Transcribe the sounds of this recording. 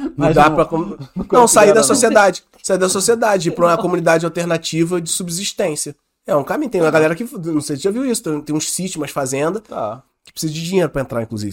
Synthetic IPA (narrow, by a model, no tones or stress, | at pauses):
d̪appɾɐkonɐ̃w̃said̪ɐsosied̪ad͡ʒɪ | said̪ɐsosied̪ad͡ʒɪɪpɾõkomũnid̪ad͡ʒɪawt̪eɾnat͡ʃivɐd͡ʒɪsubɪziʃt̪ẽsiɐ | ɛũkamĩɲ̃ʊt̪ẽj̃ũmɐɡalɛɾɐkɪnɐ̃w̃sejsɪɐviwisʊ̥t̪ẽt̪ẽj̃ũʃsit͡ʃɪmɐʃfazẽnd̪ɐa̰ | kɪ̥pɾɪ̥sizɐd͡ʒɪd͡ʒĩɲejɾʊpɾɐẽnt̪ɾaɾĩkluzḭvɪ